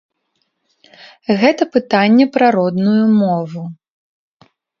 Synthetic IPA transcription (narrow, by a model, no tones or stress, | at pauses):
ɣɛt̪ɐpɨt̪anʲːɛpɾaɾɔd̪nujumɔvu